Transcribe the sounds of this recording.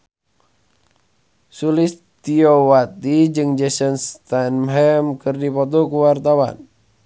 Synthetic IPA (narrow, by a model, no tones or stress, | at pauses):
sulis | t̪iowat̪id͡ʒɨŋd͡ʒɛsɔnst̪anmɦɛmkɨrdipɔt̪̬ɔkuwart̪awa̰n